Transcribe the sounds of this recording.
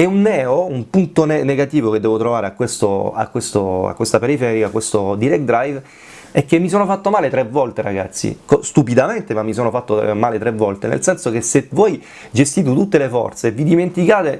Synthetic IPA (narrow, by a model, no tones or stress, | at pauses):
ɛunːɛːoumpunt̪onɛneɡat̪iːvoked̪ːɛːvot̪ɾovaːɾeakːwest̪oa̰kːwest̪oa̰kːwest̪apeɾifɛɾikakːwest̪od̪iɾɛk̚d̪ɾajv | ɛkːemːis̬oːnofat̪ːomaːlet̪ɾevːɔlt̪eɾaɡa̰t̪sːḭkɔst̪upid̪ament̪emamːis̬oːnofat̪ːomaːlet̪ɾevːɔlt̪enḛlsɛnsok̟esːevɔj | d͡ʒest̪iːt̪̬et̪ut̪ːelefɔ̰rt̪seːvːid̪iment̪ikaːt̪e